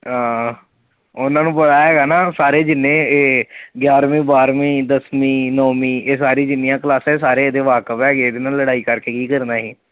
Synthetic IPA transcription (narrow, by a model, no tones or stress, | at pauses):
ɦãː | ʊnãːnũːpəɽaːɦɛːɡaːnaːsaːɾeːd͡ʒɪnːẽːeːɡjaːɾmĩːbaːɾmĩːd̪əsmĩːnɔːmĩːeːs̬aːɾiːd͡ʒɪnːɪjãːklaːsɛ̃ːsaːɾeːd̪eːʋaːkəpɛːɡeeːd̪eːnaːlːəɽaːiːkəɾkeːkiːkəɾnaːɦiː